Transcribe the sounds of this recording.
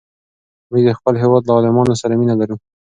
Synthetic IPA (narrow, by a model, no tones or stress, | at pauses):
məɡd̪əxpəlɦewɑd̪laɑlɪmɑnosaɾaminalaɾu